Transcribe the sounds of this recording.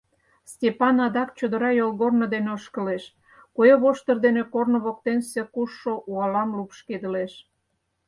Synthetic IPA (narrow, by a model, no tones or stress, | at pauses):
stʲepɑnɑd̪ɑkt͡ɕod̪ə̆ɾɑjolɣornod̪eneoʃkə̆leʃ | kojɑβoʃt̪ə̆rd̪enekornŏβok̚t̪ensekuʃːoʔuɑlɑmlupʃked̪ə̆leʃ